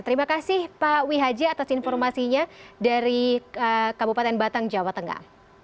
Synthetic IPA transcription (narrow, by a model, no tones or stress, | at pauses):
t̪əɾimakasɪhpawiɦad͡ʒaːt̪asinfɔrmasiɲadaɾiəkabupat̪ɛnbat̪aŋd͡ʒawat̪əŋa̰